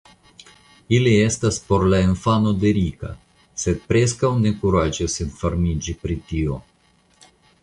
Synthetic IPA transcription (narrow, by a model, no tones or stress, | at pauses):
ilie̞staspo̞ɾlainfano̞d̪e̞ɾika̰ | se̞d̪̚pɾe̞s̬kawnekuɾad͡ʒisinfaɾmid͡ʒipɾit̪io̞